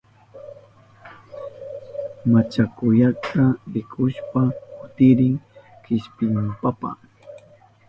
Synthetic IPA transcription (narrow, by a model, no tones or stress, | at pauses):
mat͡ʃakʊjakʰaɾɪkʰʊʃpakʊt̪ɪɾɪŋkɪʃpɪmpapa̰